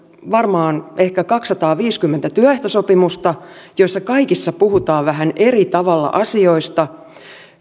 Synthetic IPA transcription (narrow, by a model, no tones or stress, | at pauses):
ʋɑrmɑːnehkækɑksːɑt̪ɑːʋiːskymːent̪æt̪yœeht̪osopimust̪ɑjoisːɑkɑikisːɑpuhut̪ɑːʋʋæɦænerit̪ɑʋɑlːɑ̰ʔɑsioist̪ɑ